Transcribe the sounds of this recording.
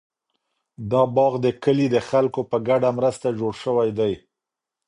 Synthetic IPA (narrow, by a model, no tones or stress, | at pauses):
d̪ɑbɑɣd̪əkəlid̪əxalkopəɡaɖamɾəst̪ad͡ʒoɽʃəwajd̪aj